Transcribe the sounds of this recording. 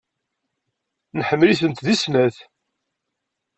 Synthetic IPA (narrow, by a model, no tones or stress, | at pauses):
nħəmːliθənt̪ðisnæθ